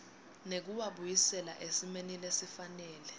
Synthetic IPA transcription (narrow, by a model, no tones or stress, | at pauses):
nek̬uwaɓujisɛla̰ʔesimenilesifanɛːlɛ